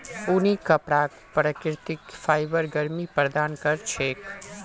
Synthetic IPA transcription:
unikəpɽak | pɾəkɪɾt̪ɪkfaːjbəɾɡəɾmipɾəd̪aːnkəɾt͡ʃʰeːk

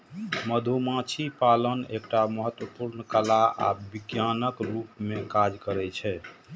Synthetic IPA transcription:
məd̪ʱumãt͡ʃʰipalənekʈaməɦət̪wəpuɾnkəlaa̰bikjanəkɾupmekad͡ʒkəɾɛt͡ʃʰɛ

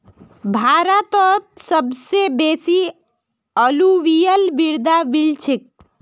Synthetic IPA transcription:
bʱaɾət̪ɔt̪̚səbsebesi | əluʋijəlbiɾd̪abilt͡ʃʰik̚

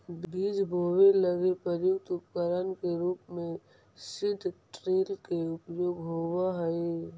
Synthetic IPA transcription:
bbiːd͡ʒbʱoːweləɡepɾəɾjʊkt̪ʊp̚kəɾənkeɾuːpmẽ | sɪd̪ʱʈɾiːlkeʊpjoːɡɦowaɦəi

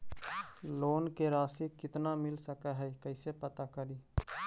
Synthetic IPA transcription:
loːnkeɾaːsikɪt̪namɪlsəkəɦɛikəɪsepət̪akəɾiː

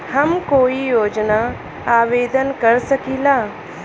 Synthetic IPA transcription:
hɐmkoːijoːd͡ʒna | aːʋeːd̪ənkɐɾsɐkiːlaː

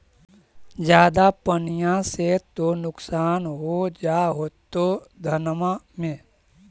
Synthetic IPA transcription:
d͡ʒjaːd̪apənijãset̪onʊksaːnɦod͡ʒaːɦoːt̪od̪ʱənmamẽː

